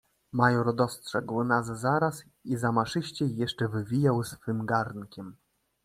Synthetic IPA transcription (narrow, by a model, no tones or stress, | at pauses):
majɔɾd̪ɔstʂɛɡwnazːaɾas | izamaʂɘɕt͡ɕɛjɛʂt͡ʂɛvɘvʲijawsfɘmɡaɾnkʲɛm